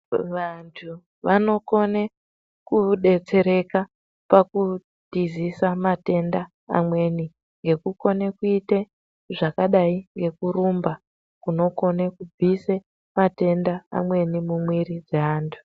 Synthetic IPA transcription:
ʋantʰu | ʋano̞ko̞ne | kuɗe̞t͡se̞ɾe̞ka | paku | tizisamate̞nda | a̰mwe̞ni | ŋɡe̞kuko̞nekuite | ʐakaɗaiŋɡe̞kuɾumba | kuno̞ko̞nekub͡vise | mate̞nda̰ːmwe̞nimumwiɾid͡zeaːntʰu̥

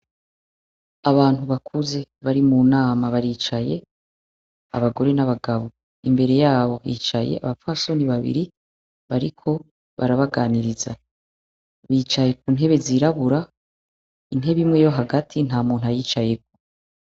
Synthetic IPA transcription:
aβaːnhuβakʰuze̞βaɾimuːnaːmaβaɾiːt͡ʃaje̞ | a̰βaɡo̞ɾe̞naβaɡaβo | imbe̞ɾe̞jaːβo̞jḭːt͡ʃaje̞̰ʔa̰βafaso̞niβaβḭɾi | βaɾikʰo̞ | βa̰ɾaβaɡaːniɾiza̰ | βit͡ʃaje̞k̚uːnɦe̞βe̞ziɾaβuɾa | in̥ɦe̞βimŋe̞jo̞ɦaɡatʰin̥haːmuːnɦajiːt͡ʃaje̞k̚o̥

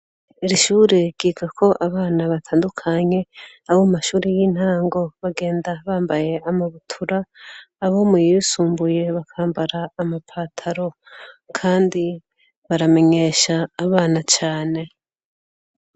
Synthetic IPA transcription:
iɾiʃuːɾeɡ̥iɡakʰo̞ʔaβaːnaβatʰaːndukʰaɲe̞ | aβomaʃuːɾijiːn̥haːŋɡo̞βaɡe̞ːndaβaːmbaje̞amaβutʰuɾaː | βomijisuːmbuje̞βakʰaːmbaɾaːmapʰatʰaɾo̞ | kʰaːndi | βaɾame̞ɲe̞ʃaːβaːnat͡ʃaːne̞

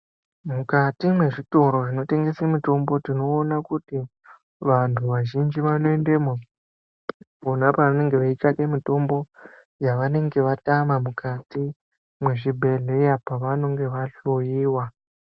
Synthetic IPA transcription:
mukatimwe̞ʐito̞ɾo̞ʐino̞te̞ŋɡe̞semito̞mbo̞tino̞ːnakuti | ʋantʰuʋaʒind͡ʒiʋano̞endemo | onapaane̞ŋɡe̞ʋait͡ʃakemito̞mbo̞ | jaʋane̞ŋɡe̞ʋatamamukʰati | mwe̞ʐibʱe̞ɮe̞iapaʋano̞ŋɡe̞ʋaɬojiːwa

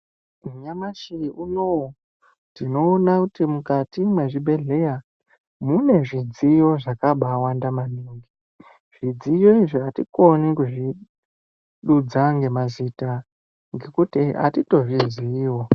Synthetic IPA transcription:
muɲamaʃiunow | dino̞ːnakutimukatimwe̞ʐibʱe̞ɮe̞ja | mune̞ʐid͡zijo̞ʐakaɓawandamaniŋɡi | ʐ̥id͡zijo̞iʐiatḭko̞nikuʐi | ɗud͡zaŋɡe̞mazita | ŋɡe̞kutiʔa̰tito̞ʐiziːwo

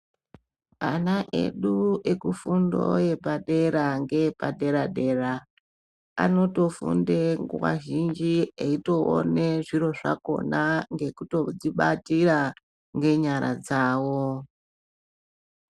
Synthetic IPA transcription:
anaʔe̞̰ɗuekufundo̞̰je̞paɗe̞ɾaŋɡe̞pade̞ɾaɗe̞ra | a̰no̞to̞fṵndeŋɡuʋa̰ʒind͡ʒieito̞o̰ne̞ʐiɾo̞ʐa̰ko̞̰naŋɡe̞kuto̞d͡ziɓatiɾa | ŋɡe̞ɲaɾa̰d͡zaːwo

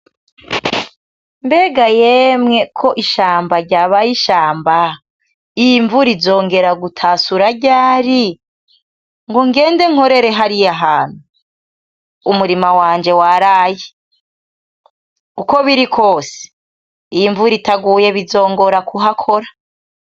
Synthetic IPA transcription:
mbe̞ːɡajemŋe̞kʰo̞ʔiʃaːmbaɾɟaːβajiʃaːmba | ijiɱvuɾizo̞ːŋɡe̞ɾaɡutʰaːsuɾaɟaːɾi | ŋɡoŋɡe̞ːnde̞ŋ̥ho̞ɾe̞ɾe̞ɦaɾijaɦaːn̥hu | umuɾimawaːɲd͡ʒe̞waɾaːji | kuko̞βiɾikʰo̞ːse̥ | ijiɱvuɾitaɡuːje̞βizo̞ːŋɡo̞ɾakuɦakʰo̞ɾa

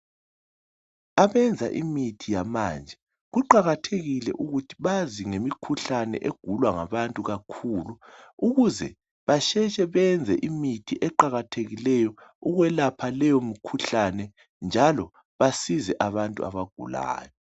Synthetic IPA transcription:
aβɛnd͡zʱa̰ʔḭmitʰijamaːnd͡ʒʱɛ | ɣuǃaɣatʰeɣilɛ̰ʔuɣutʰi̥βaziŋemikʰuɬanɛ̰ʔeɡ̥ʱulwaŋa̰βantʼuɣakʰuːluuɣuzɛ̰ | βaʃɛt͡ʃʼɛβɛnd͡zʱɛʔimitʰiʔɛǃaɣatʰeɣilɛjɔuɣwɛlapʰalɛjomikʰuɬanɛ | nd͡ʒʱalɔ | βasizɛʔaβantʼua̰βaɡ̥ʱṵla̰ːjɔ

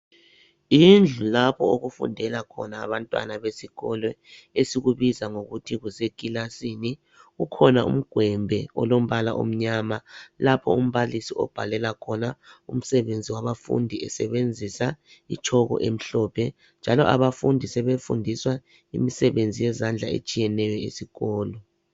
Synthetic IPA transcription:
ind͡ɮʱulapʰɔoɣufṵndʱɛlakʰɔ̰na̰ːβantʼwa̰naβesiɣɔlwɛ | esiɣuβizaŋoɣutʰiɣuzekʼilasini | ɣukʰɔnaṵm̩ɡ̥ʱwɛmbʱɛɔ̰lom̩βalaʔo̰m̩ɲamalapʰɔum̩βalisiʔɔ̰b̥ʱalɛlakʰɔnaṵm̩sɛβend͡zʱiwaβafṵndʱiɛ̰sɛβend͡zʱisa | it͡ʃʰɔɣɔ̰ʔem̩ɬɔːpʰɛ | nd͡ʒʱalɔʔa̰βafundʱisɛβefṵndʱiswa | ḭmisɛβend͡zʱijɛzand͡ɮʱaḛt͡ʃʼijɛnɛjɔḛsiɣɔːlɔ

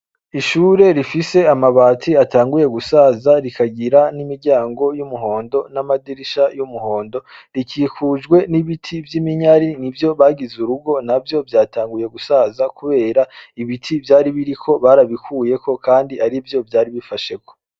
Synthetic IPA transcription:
iʃuːɾe̞ɾifise̞amaβaːtʰiataːŋɡuje̞ɡusaːzaɾikʰaɡiɾanimiɾɟaːŋɡo̞jumuɦo̞ːndo̞namadiɾiʃajumuho̞ːndo̞ɾikiːkuːd͡ʒɡwe̞niβitʰivjimiɲaɾinivjo̞βaɡizuɾubɡo̞navjo̞vjaːtaːŋɡuje̞ɡusaːzakuβe̞ːɾaiβitʰivjaːɾiβiɾikʰo̞βaɾaβikʰuːje̞kʰo̞kaːndiʔaɾivjo̞vjaːɾiβifaʃe̞ko̞̥

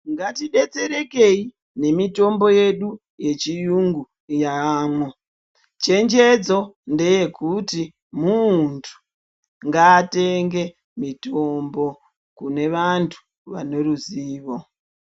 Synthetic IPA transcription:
ŋɡatiɗe̞t͡se̞ɾe̞ke̞i | ne̞mito̞mbo̞je̞ɗu | je̞t͡ʃijuŋɡu | jaːmo | t͡ʃe̞nd͡ʒe̞d͡zo̞nde̞je̞kuti | muntʰu̥ | ŋɡaːte̞ŋɡe̞ | mito̞mbo̞ | kune̞ʋantʰu̥ | ʋa̰ne̞ruziːʋo̞

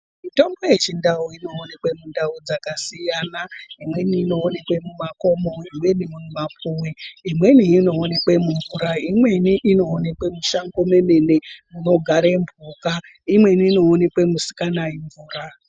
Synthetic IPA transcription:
mito̞mbo̞je̞t͡ʃindauino̞ːne̞kwe̞mundaud͡zakasijanaimwe̞niːno̞ːne̞kwe̞mumako̞mo̞imwe̞nimumumapuweimwe̞niːno̞ːne̞kwemuɱvuɾaimwe̞niʔino̞ːne̞kwemuʃaŋɡo̞memenemuno̞ɡʱaɾeɱbʱuka | imwe̞niːno̞ːne̞kwe̞musi̥kanaiɱvuːɾa

